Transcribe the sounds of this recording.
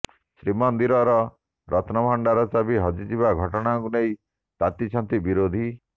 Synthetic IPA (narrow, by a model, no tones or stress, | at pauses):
sɾimɔnd̪iɾɔɾɔ | ɾɔt̪nɔbʱɔɳɖaɾɔsabʱiɦɔd͡ʒid͡ʒiβaɡʱɔʈɔɽ̃aŋkunej | t̪at̪it͡ʃʰɔnt̪ibiɾod̪ʱi